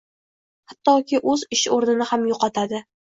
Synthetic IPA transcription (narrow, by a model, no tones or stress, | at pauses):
hat̪ːɒkʲʰɪʔɵzɪʃoɾnɪnɪhamjoqɒt̪ʰad̪ɪ